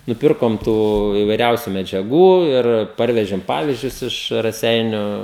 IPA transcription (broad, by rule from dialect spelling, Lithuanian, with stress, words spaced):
nʊˈpʲɪrkoːm ˈtuː ɪʋɐɪˈrʲɛʊsʲʊ mʲɛd͡ʒʲɛˈɡuː ɪr ˈpɐrʲʋʲɛʒʲeːm ˈpɑːʋʲɪzʲd͡ʒʲʊs ˈɪʃ rɐˈsʲɛɪnʲʊ